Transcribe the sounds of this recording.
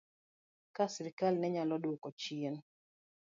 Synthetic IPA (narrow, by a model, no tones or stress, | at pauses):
kasɪɾikalnɛɲalɔdokɔt͡ʃien